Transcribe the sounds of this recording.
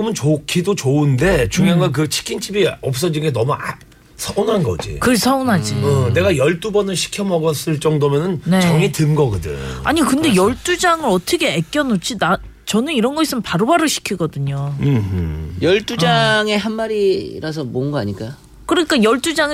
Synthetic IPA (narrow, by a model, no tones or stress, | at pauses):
ɯmɯnt͡ɕokʰidot͡ɕounde̞t͡ɕuŋjaŋɡak̬ɯt͡ɕʰi̥kʰint͡ɕʰibiʌp̚s͈ʌd͡ʑinɡenʌmuʔa | sʰʌonɦanɡʌ̰d͡ʑḭkɯɭsʰʌonɦad͡ʑiʌne̞ɡajʌɭt͈ubʌnɯɭɕʰi̥kʰjʌmʌɡʌs͈ɯɭt͡ɕ͈ʌŋdomjʌnɯnne̞t͡ɕʌŋitɯnɡʌɡɯdɯ̰ɲa̰ɲikɯnde̞jʌɭt͈ud͡ʑaŋɯɾʌtʰʌkʰeek͈jʌnot͡ɕʰina | t͡ɕʌnɯniɾʌnɡʌis͈ɯmpaɾobaɾɯɕʰi̥kʰiɡʌdɯɲoɯjʌɭt͈ud͡ʑaŋe̞ɦanmaɾiɾasʰʌmʌnɡʌaɲik͈a | kɯɾʌɲik͈ajʌɭt͈ud͡ʑaŋ